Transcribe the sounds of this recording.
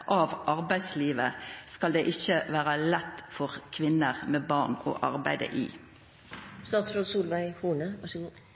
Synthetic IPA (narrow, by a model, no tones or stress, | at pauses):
ʔɑʋʔɑʁbæɪd̪sliːʋəskɑld̪eːʔɪçəʋæːʁɑlɛt̪ːfɔʁkʰʋɪnːəʁmeːbɑʁno̰ʔɑ̰ʁbæ̰ɪd̪ə̰ʔḭː | st̪ɑːt̪sfɾod̪suːlʋæɪhuːnə